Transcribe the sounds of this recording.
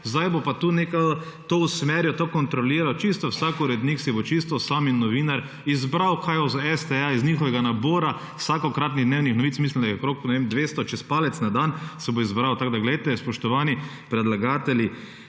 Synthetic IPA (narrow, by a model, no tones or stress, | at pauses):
zd̪ajbopat̪uːneka | t̪ousmɛɾjɔt̪okɔnt̪ɾɔliːɾawt͡ʃist̪ɔwsakuɾɛd̪niksibot͡ʃist̪ɔsaminɔʋiːnaɾ | izbɾawkʰajɔzaɛst̪ɛaiznixɔʋɛɡanaboːɾa | wsakɔkɾaːt̪̬niɣd̪newnixnɔʋit̪smislimd̪ajɛkɾoknɛʋemd̪ʋeːst̪ɔt͡ʃɛspalɛt̪snad̪ansɛboizbɾawt̪aɡd̪aɡlɛejt̪ɛspɔʃt̪ɔʋaːni | pɾɛd̪laɡaːt̪ɛlʲi